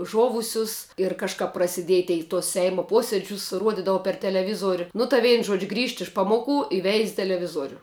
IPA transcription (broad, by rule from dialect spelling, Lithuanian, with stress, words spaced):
ˈʒoːʋʊsʲʊs ɪr kɐʃˈkɐp prɐsʲɪˈdʲiɛj ˈtʲɛɪ ɪ tuɔs ˈsʲɛɪmoː ˈpoːsʲiɛd͡ʒʲʊs ˈruɔdʲɪdɐʋɐ pʲɛr tʲɛlʲɛˈʋʲɪzuɔrʲʊ nʊ tɐɪ ˈʋʲɛɪn ʒuɔt͡ʃʲ ɡrʲiːʃt ɪʃ ˈpɑːmoːˌkʊ ɪ ʋʲɛɪsʲ tʲɛlʲɛˈʋʲɪzuɔrʲʊ